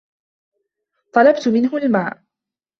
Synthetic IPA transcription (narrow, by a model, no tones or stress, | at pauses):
t̪ˤɑlɑbt̪ʊmɪnɦʊlmaːʔ